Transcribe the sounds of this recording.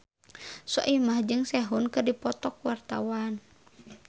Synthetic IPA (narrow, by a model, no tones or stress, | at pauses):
sɔ̰ʔimahd͡ʒɨŋsɛɦunkɨrdipɔt̪ɔkwart̪a̰wan